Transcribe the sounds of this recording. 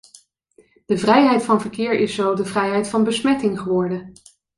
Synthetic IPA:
d̥əvrɛjɦɛjtfɑnvəɹkɪːɹʔɪsːowdəvrɛjɦɛjtfɑnbəsmɛtɪŋχəʋɔɹdə

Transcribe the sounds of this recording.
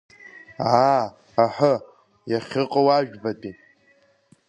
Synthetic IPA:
a | aħʷə | jaχʲɪqʼawaʒᶣbatʼi

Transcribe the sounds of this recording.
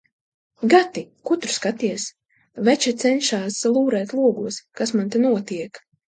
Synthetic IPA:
ɡat̪ikut̪ɾu̥skat̪iɛs | vɛt͡ʃɛt̪sɛnʃaːslˠuːɾɛːt̪lˠuɔɡuɔskasmant̪ɛnuɔt̪iɛk

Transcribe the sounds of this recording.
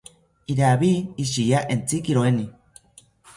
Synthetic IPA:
iɾaβiiʃijaʔent͡sikiɾoeni

